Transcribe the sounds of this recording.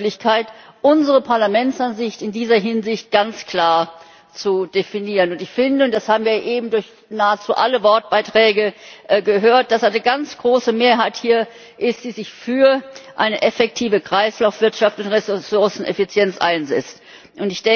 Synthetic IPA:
lɪçkʰaɪtʔʊnzəʁəpʰaɐlamɛntsʔanzɪçtɪndiːzɐɦɪnzɪçt̚ɡ̥ant͡skl̥aːɐ | t͡sud̥efiniːʁənʊntɪçfɪndəʊntd̥ashaːbm̩viːɐʔeːbm̩dʊɐç | naːət͡suːʔa̰ləvɔɐt̚b̥aɪtʁ̥ɛːɡəɡəɦøːɐt̚d̥asaɪnəɡant͡sɡ̥ʁoːsəmeːɐɦaɪthiːɐ | ʔɪst̚d̥iːzɪçfyːɐʔa̰ɪnəʔɛfɛk̚tʰiːvəkʁ̥aɪslaʊfv̥ɪɐtʃaftʊntʁesʊɐsn̩ɛ̰fit͡sjɛnt͡sʔa̰ɪnzɛ̰t͡st | ʔʊntɪçd̥ɛ

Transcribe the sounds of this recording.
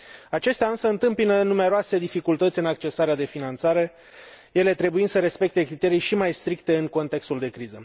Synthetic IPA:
at͡ʃe̞st̪eaɨnsəɨnt̪ɨmpinənume̞ɾoase̞d̪ifikult̪ət̪sʲɨnak̚t͡ʃe̞saɾead̪e̞finant̪saɾe̞ | je̞le̞t̪ɾe̞buinsəɾe̞spe̞k̚t̪e̞kɾit̪e̞ɾijʃimajst̪ɾikt̪e̞ɨŋko̞nt̪e̞kst̪uld̪e̞kɾizə

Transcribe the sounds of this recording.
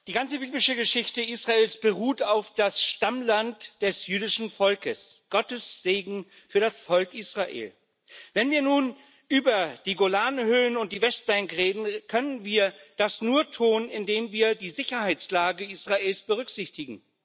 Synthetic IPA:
d̥iːɡant͡səbiːblɪʃəɡəʃɪçtəʔiːsʁ̥aeːlsb̥əʁuːtaʊfd̥asʃtamlantd̥ɛsjyːdɪʃn̩fɔlkəsɡ̥ɔtəsz̥eːɡŋ̩ | fyːɐɾasfɔlkʔiːsʁ̥aʔḛːl | vɛnviːɐnuːn | ʔyːbɐd̥iːɡolaːnhøːənʊnt̚d̥iːvɛst̚b̥ɛŋkʁeːdn̩kʰœnənviːɐd̥asnuːɐtʰuːnɪndeːmviːɐdiːzɪçɐhaɪt͡slaːɡəiːsʁ̥aʔeːlsb̥əʁ̞ʏkz̥ɪçtɪɡŋ̩

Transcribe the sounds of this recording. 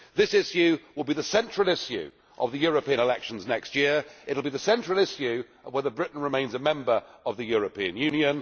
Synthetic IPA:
ðɪsɪʃjʉwɪlˠbiðəsɛ̃nt͡ʃɹ̥əlˠɪʃjʉ̰ | ʔə̰vðɨjɔːɹəpĩɨ̃ñɪlɛkʃə̃n̩znɛkstjɪəɹɪtl̩ˠbiðəsɛ̃nt͡ʃɹ̥əlˠɪʃjʉ | əvwɛðəbɹɪʔn̩ɹɨmẽɪ̃nzəmɛ̃mbə˞əvðɨjɔːɹəpʰĩɨ̃njʉ̃njə̃n

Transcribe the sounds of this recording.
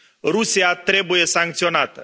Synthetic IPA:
ɾusiat̪ɾebujesaŋk̚t̪sionat̪ə

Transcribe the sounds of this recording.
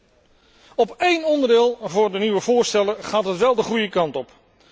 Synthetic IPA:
ɔpejnɔndəɹdɪːlˠvʊːɹdəniʋəvʊːɹstɛləχaːtɦətʋɛlˠdəχrujəkɑntɔp

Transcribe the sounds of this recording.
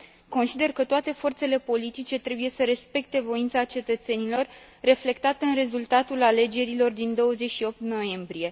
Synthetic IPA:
ko̞nsid̪e̞rkət̪oat̪e̞fo̞rt̪se̞le̞po̞lit̪it͡ʃe̞t̪ɾe̞buje̞səɾe̞spe̞k̚t̪e̞vo̞int̪sat͡ʃe̞t̪ət̪se̞nilo̞rː | e̞fle̞kt̪at̪ɨnre̞zult̪at̪ulale̞d͡ʒe̞ɾilo̞rd̪ind̪o̞wəzet͡ʃʃio̞p̚t̪no̞je̞mbɾije̞

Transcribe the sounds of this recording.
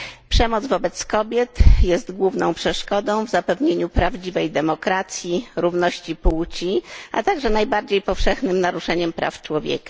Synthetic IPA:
pʂɛmɔd̪zvɔbɛt̪skɔbʲjɛt̪jɛst̪ɡwuvnɔ̃w̃pʂɛʂkɔd̪ɔ̃w̃vzapɛvɲeɲupɾavd͡ʑivɛjd̪ɛmɔkɾat̪sʲjiɾuvnɔɕt͡ɕipuwt͡ɕiʔa̰t̪aɡʐɛnajbaɾd͡ʑejpɔfʂɛxnɘmnaɾuʂɛɲɛmpɾa̰ft͡ʂwɔvʲjɛ̰kḁ

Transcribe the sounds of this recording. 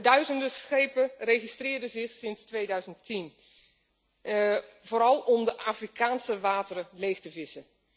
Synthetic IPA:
dœɥzəndəsχejpərejχistrɪːɹdəzɪχsɪnstʋejdœɥzəntin | v̥oːɾɑlˠɔmdəʔaːfrikaːnsəʋaːtərəlejχtəvɪsə

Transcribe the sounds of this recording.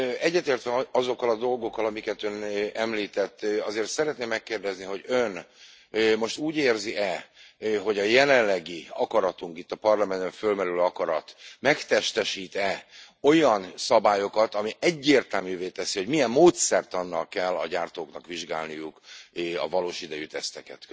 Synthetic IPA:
ɛɟːɛt̪eːrt̪ʋɛɒzo̞kːɒlɒd̪o̞lɡo̞kːɒlɒmikɛt̪ønɛmliːt̪ɛt̪ːɒzeːrt̪sɛɾɛt̪neːmːɛkːeːrd̪ɛzniɦo̞ɟøn | mo̞ʃt̪uːɟeːrziʔɛ | ɦo̞ɟɒjɛlɛnlːɛɡiɒkɒɾɒt̪uŋkit̪ːɒpɒrlɒmɛnbɛɱfølmɛɾyløːɒkɒɾɒ̰t̪mɛkt̪ɛʃt̪ɛʃiːt̪ɛ | o̞jɒnsɒbaːjo̞kɒt̪ɒmiʔɛɟːeːrt̪ɛlmyːveːt̪ɛsiho̞ɟmijɛmːoːt̪sɛrt̪ɒnːɒlkɛlːɒ̰ɟaːrt̪oːknɒkʋiʒɡa̰ːlnijukɒ̰vɒloːʃid̪ɛjyt̪ɛst̪ɛkɛ̰t̪

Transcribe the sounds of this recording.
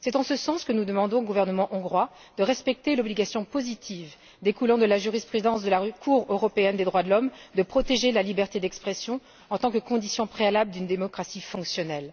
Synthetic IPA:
sɛt̪ɑ̃səsɑ̃skənud̪əmɑ̃d̪ɔ̃oɡuvɛʁnəmɑ̃ʔɔ̃ɡʁwa | d̪̥əʁɛspɛk̚t̪elɔbliɡʲasjɔ̃pozit̪ʰiv | d̪ekulɑ̃d̪əlaʒyʁispχyd̪ɑ̃sd̪əlakʰuʁøʁɔpeɛnd̪ed̪ʁwad̪əlɔmd̪əpχɔt̪eʒelalibɛʁt̪ed̪ɛkspχɛsjɔ̃ | ɑ̃t̪ɑ̃kəkɔ̃d̪isjɔ̃pχealabləd̪ynd̪emɔkχasifɔ̃ksjɔnɛl

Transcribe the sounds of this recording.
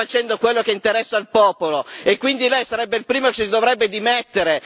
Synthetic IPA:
at͡ʃɛnd̪okwelːokeint̪eɾɛsːailpɔːpoloekːwind̪ilɛjsaɾɛbːeilpɾiːmokesid̪ovɾɛbːed̪imet̪ːeɾe

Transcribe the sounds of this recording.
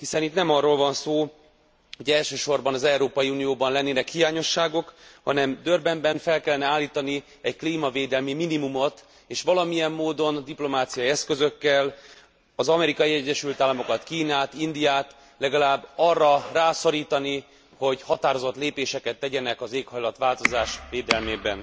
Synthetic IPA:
hisɛnit̪nɛmɒrːoːlvɒnsoː | ho̞ɟɛlʃøːʃo̞rbɒnɒzɛuɾoːpɒjiunijoːbɒnlɛnːeːnɛkhijaːɲo̞ʃːaːɡo̞khɒnɛmd̪ørbɛmbɛnfɛlkɛlːɛnɛaːlːiːt̪ɒni | ɛɟkliːmɒveːd̪ɛlmiminimumo̞t̪ | eːʃʋɒlɒmijɛmːoːd̪o̞nd̪iplo̞maːt̪sijɒjiɛskø̞zø̞kːɛl | ɒzɒmɛɾikɒjiɛɟːɛʃylt̪aːlːɒmo̞kɒt̪kiːnaːt̪ind̪ijaːt̪ | lɛɡɒlaːbːɒrːɒraːso̞ɾiːt̪ɒni | ho̞ɟhɒt̪aːɾo̞zo̞t̪leːpeːʃɛkɛt̪ːɛɟɛnɛkɒzeːkhɒjlɒt̪ʋaːlt̪o̞zaːʃveːd̪ɛlmeːbɛn

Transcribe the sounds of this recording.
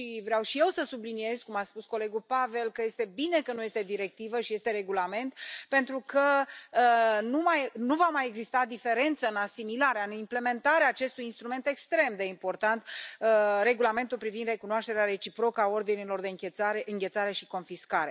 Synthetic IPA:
ʃivɾeawʃije̞wsəsublinie̞zkumaspusko̞le̞ɡupave̞lkəje̞st̪e̞bine̞kənuje̞st̪e̞d̪iɾe̞k̚t̪ivəʃije̞st̪e̞ɾe̞ɡulame̞nt̪pe̞nt̪ɾukəənumajnuvamajeɡzist̪ad̪ife̞ɾe̞nt̪səɨnasimilaɾeaɨnimple̞me̞nt̪aɾeaːt͡ʃe̞st̪ujinst̪ɾume̞nt̪e̞kst̪ɾe̞md̪e̞impo̞rt̪ant̪əɾe̞ɡulame̞nt̪ulpɾivind̪re̞kunoaʃt̪e̞ɾeaɾe̞t͡ʃipɾo̞kəao̞rd̪inilo̞rd̪e̞ɨŋkʲeaɾeɨŋɡʲe̞t̪saɾe̞ʃiko̞nfiskaɾe̞

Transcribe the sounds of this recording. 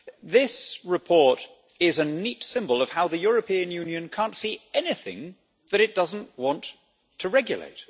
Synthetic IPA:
ðɪsɹɨpʰɔɹɾ | ɪzɨnitsɪ̃mbəlˠʌv̥haʊðɨjʊɹɨpʰĩɨ̃njʉ̃njɨ̃nkʰæ̃ntsiɛnɪθɪ̰̃ŋ | ðɨɾɨt̚d̥ʌzn̩ʔwɑ̃ntʰ | əɹɛɡjɨ̰lḛɪt̚

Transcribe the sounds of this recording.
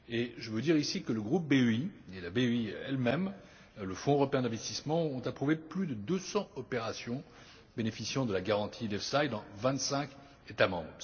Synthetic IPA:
eʒəvød̪iʁisikələɡʁup̚beøielabeøiɛlmɛm | ləfɔ̃øʁɔpeɛ̃d̪ɛ̃vɛst̪ismɑ̃ɔ̃t̪apχuveplyd̪əd̪øsɑ̃ɔpeʁasjɔ̃ | benefisjɑ̃d̪əlaɡaʁɑ̃t̪ʰid̪ɛfsajd̪ɑ̃vɛ̃t̪sɛ̃k | et̪amɑ̃bʁ

